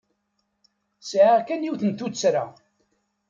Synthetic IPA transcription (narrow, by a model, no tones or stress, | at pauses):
sʕaʁkænjiwθənt̪ut͡sːɾa